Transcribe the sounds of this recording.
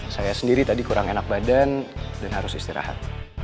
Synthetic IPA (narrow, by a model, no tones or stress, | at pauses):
sajasəndiɾit̪adikuɾaŋenak̚badandanɦaɾʊsist̪iɾa̰ha̰t̪̚